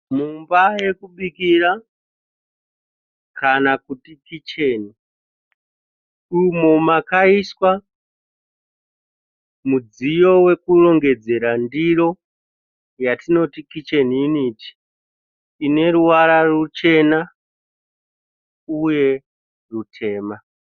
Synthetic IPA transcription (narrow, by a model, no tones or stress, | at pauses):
mumbaje̞kuɓikiɾa | kanakutikit͡ʃe̞ːni | umo̞makaiswa | mud͡zijo̞we̞kulo̞ŋɡe̞d͡ze̞ɾandiɾo̞ | jatino̞tikit͡ʃe̞niːniːti̥ː | ne̞ɾuwaɾarut͡ʃe̞na | uje̞ | rutʰe̞ːma